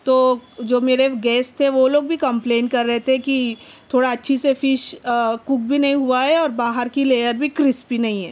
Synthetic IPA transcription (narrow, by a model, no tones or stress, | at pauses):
t̪oːd͡ʒoːmeːɾeɡɛːst̪ʰeʋoloːɡ̚bʱikɐ̃mpleːnkɐɾːɛɦet̪eɛ̃kit̪ʰoːɽaɐtːʃʰisefɪʃkuk̚bʱinɐɦĩɦuaɦɛɔːɾbaːɦəɾkileːjəɾbʱikɾɪspinɐɦĩɦɛː